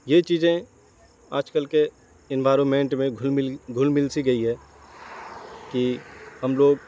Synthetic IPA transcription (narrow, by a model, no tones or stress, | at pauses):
jet͡ʃiːzẽ | a̰ːd͡ʒkəlke | ɪ̃nʋaːɾonmẽɳʈmẽɡʱlɪɡʱʊlmɪlsiɡɐiɦɛː | kiɦɐmloːɡ